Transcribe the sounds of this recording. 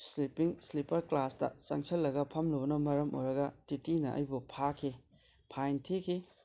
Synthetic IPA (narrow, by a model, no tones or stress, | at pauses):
slipiŋslipɐɾklastɐ̰sɐ̰ŋsʰɐlːɐɡɐpʰɐmlobɐnɐmɐɾɐmo̰jɾɐɡɐtitinɐ̰ʔɐ̰jbupʰakʰi | pʰajntʰekʰi